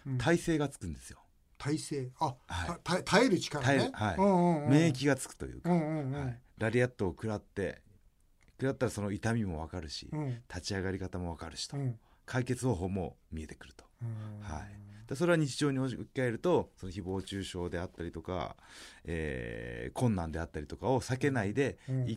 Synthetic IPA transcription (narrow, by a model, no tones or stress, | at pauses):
t̪ʰaise̞ːɡat͡sɨ̥kɯ̟̃nd̪e̞sɨ̥jo̞̰ | t̪ʰaiseːahait̪at̪ʰaeɾɯ̟t͡ɕi̥kat̪aehaḭmẽːk̬ʲiɡat͡sɨ̥kɯ̟̥t̪o̞jɯ̟̰ːkahaiɾaɾʲiat̪ːo̞ːkɯ̟ɾat̪ːe̞ | kɯ̟ɾat̪ːaɾaso̞no̞it̪amʲimo̞β̞akaɾɯ̟ɕḭt̪ʰat͡ɕiaɡaɾʲikat̪amo̞β̞akaɾɯ̟ɕi̥t̪o | kʰaike̞t͡sɨho̞ːɦo̞ːmo̞̰mʲie̞t̪e̞kɯ̟ɾɯ̟̥t̪o̞̥ha̰id̪̥es̬o̞ɾe̞βaɲit͡ɕiʑo̞ːɲ̟iookʲi̥kae̞ɾɯ̟t̪o̞so̞noçibo̞ːt͡ɕɨːɕo̞ːd̪e̞at̪ːaɾʲit̪o̞ka̰ḛːkʰõ̞nːãnd̪e̞at̪ːaɾʲit̪o̞kao̞sake̞naid̪e̞i